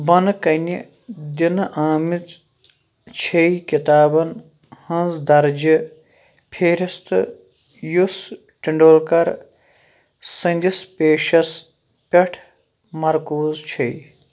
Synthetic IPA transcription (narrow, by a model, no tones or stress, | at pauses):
bɐnkɐnʲi | d̪inʔaːmit͡s | t͡ʃʰejkit̪aːbɐn | hɐ̃nzd̪ɐɾd͡ʒɨ | pʰeːɾist̪ɨ̰ | jus | ʈiɳɖoːlkɐɾ | sɐ̃nd̪ispʲeːʃɐs | pʲɐʈʰ | mɐɾkuːzt͡ʃʰij